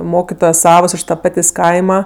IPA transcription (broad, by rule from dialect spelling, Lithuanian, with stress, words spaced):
ˈmoːkʲɪtoːjoːs ˈsɑːʋoːs ˈɪʃ tɐ ˈpɑːtʲeːsʲ ˈkɐɪmɐ